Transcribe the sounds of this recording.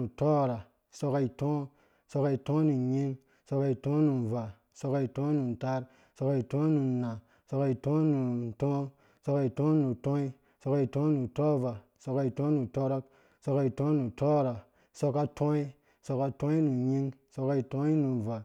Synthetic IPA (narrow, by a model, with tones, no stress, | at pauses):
u˨to˦˨ɾa˨ | so˧ka˧i˨tõ˦ | so˧ka˧i˨tõ˦nu˨ɲi˦ŋ | so˧ka˧i˨tõ˦nu˨n˨va˨ | so˧ka˧i˨tõ˦nu˨n˨ta˦ɾ | so˧ka˧i˨tõ˦nu˨na˨ | so˧ka˧i˨tõ˦nu˨tõ˦ | so˧ka˧i˨tõ˦nu˨tõ˦i˦ | so˧ka˧i˨tõ˦nu˨to˦va˨ | so˧ka˧i˨tõ˦nu˨to˦ɾo˦k̚ | so˧ka˧i˨tõ˦nu˨to˦˨ɾa˨ | so˧ka˦tʰõ˦i˦ | so˧ka˦tõ˦i˦nu˨ɲi˦ŋso˧ka˧i˨tõ˦i˦nu˨va˨